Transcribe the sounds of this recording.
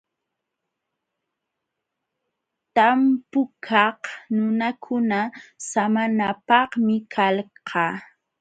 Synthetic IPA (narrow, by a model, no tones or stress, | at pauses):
t̪ampʊkʰɑhnʊnakʰʊnasamanapɑhmɪkʰalqʰɑː